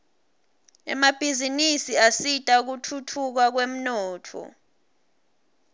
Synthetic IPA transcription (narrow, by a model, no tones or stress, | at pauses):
ɛ̰mab̥ʱizinisiasitʼauk̬utʰutʰuk̬ak̬wem̩nɔːtʰɔ̰